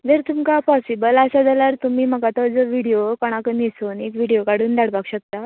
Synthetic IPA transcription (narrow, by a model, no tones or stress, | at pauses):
d͡zəɾt̪umkapɔsibələsad͡zalaɾt̪umiːməkat̪ɔd͡zɔʋiɽijokɔɽ̃akənisoːnekʋiɽijokaɽ̤uːnd̪aɽpakɕək̚t̪a